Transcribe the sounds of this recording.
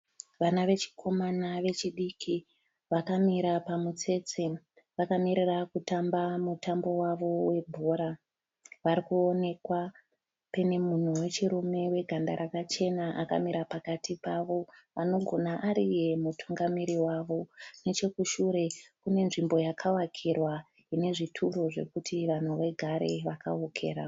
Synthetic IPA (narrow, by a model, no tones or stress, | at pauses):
ʋanaʋe̞t͡ʃi̥kʰo̞manaʋe̞t͡ʃiɗikʰi | ʋakamiɾapamut͡se̞t͡si | ʋakamiɾirakutambamutambo̞waʋo̞we̞bʱoɾa | ʋaɾikuone̞kwa | pene̞mun̤uwe̞t͡ʃiɾume̞we̞ɡʱanda̰ɾakat͡ʃe̞naʔaka̰miɾapakatipaʋo̞ʋano̞ɡʱo̞naʔaɾije̞mutʰuŋɡamiɾiwaʋo̞ne̞t͡ʃe̞kuʃuɾe̞kune̞nʐimbo̞jakʰawakʰirwa | ine̞ʐitʰuro̞ʐe̞̰kutʰiʋan̤uʋe̞ɡʱaɾe̞ʋaka̰okʰe̞̰ːɾa̰